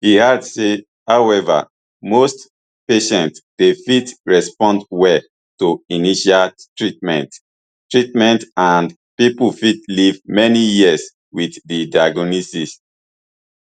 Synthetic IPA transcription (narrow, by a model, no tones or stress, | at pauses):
hihadse | hawɛva̰ | most | peʃɛ̃ntdefitɹɛspɔ̃ndwɛl | tuiniʃaltɹit̚mɛ̰̃nt | tɹitmɛ̃ntãnd | pipufitlivmɛnijiəs | wiθdidaɡɔnisis